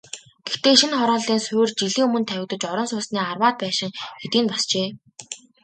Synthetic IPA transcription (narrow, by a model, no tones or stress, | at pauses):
ɡ̥ext̪eːʃinχɔɾɔːɮiːnsʊjrt͡ɕiɮiːŋɵmɵ̆nt̪ʰæwʲɪ̆kt̪ə̆t͡ɕɔɾɞ̆nsʊːsniːarwaːt̪̚pæːʃɪ̆ŋxet̪iːnpɔst͡ɕeː